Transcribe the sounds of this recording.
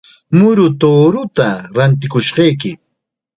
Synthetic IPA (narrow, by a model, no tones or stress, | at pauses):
mʊɾʊt̪oːɾʊt̪aɾant̪ɪkʊʃɢɑjkɪ